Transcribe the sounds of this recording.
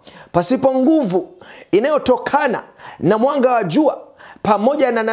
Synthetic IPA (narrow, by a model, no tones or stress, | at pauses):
pasipɔŋɡuvuinajɔtɔkʰana̰namwaŋɡawaʄuapamɔʄanana